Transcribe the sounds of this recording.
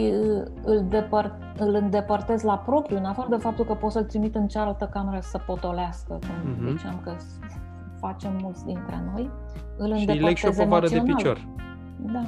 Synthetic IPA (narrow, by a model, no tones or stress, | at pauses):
ʃi | ɨld̪epər | ɨlɨnd̪e̞pərt̪e̞zlapɾo̞pɾiuɨnafaɾəd̪e̞fap̚t̪ulkəpo̞t̪səlt̪ɾimit̪ɨnt͡ʃealt̪əkame̞ɾəsəpo̞t̪o̞leaskəkumzit͡ʃeamkə | fat͡ʃe̞mːult̪sʲd̪int̪ɾḛno̞j | ɨlɨnd̪elpəekʃzemoaɾəsieo̞npialt͡ʃoɾ | d̪a